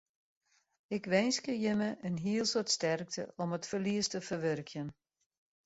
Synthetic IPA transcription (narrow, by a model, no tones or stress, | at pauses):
ɪkʋɛjnskəjəməʔənɦiəlˠsotstɛrk̚tʰə̰ʔɔmətfərliəstəfərʋørkʰjən